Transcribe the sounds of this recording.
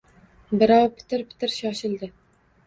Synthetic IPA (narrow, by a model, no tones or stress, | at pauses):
bɪɾɑwpʰɪ̥t̪ʰɪɾpʰɪ̥t̪ʰɪɾʃɒʃɪlˠd̪ɪ